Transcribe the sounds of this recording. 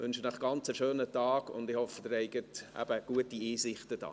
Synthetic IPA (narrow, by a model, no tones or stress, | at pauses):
ʋʏnʃənəχɡ̥ɑnt͡səʃøːnətɑːɡ̥ʊ̰nd̪ɪhɔfəd̥̪ɪɾɛɪɡətʔæ̰b̥əɡ̥uətiiːsɪχtəd̥ɑ̰ː